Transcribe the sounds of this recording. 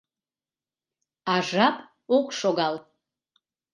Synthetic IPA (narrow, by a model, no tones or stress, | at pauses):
aʐapʼ | ukʷʼʂoɡaltʼ